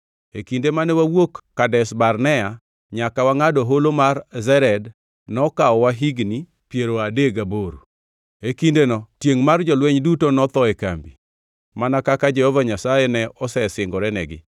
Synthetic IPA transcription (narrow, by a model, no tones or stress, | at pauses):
ekindemanɛwawokːadɛsbarnɛa | ɲakawaŋadɔɦolomarzɛɾɛd | nɔkaɔwaɦiɡni | pjeɾoadeɡaboɾṵ | ekindenɔtjeŋmard͡ʒɔlwɛɲdutonɔt̪ɔɛka̰mbi | manakakad͡ʒɛhɔvaɲasajɛnɛɔsɛsɪŋɡɔɾɛnɛɡɪ̰